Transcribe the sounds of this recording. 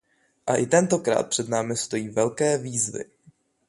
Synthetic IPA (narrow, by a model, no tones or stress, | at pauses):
ʔaʔɪt̪ɛnt̪o̞kɾa̰ːt̪̚pr̥ɛd̪naːmɪst̪o̞jiːvɛlkɛːviːzvɪ̰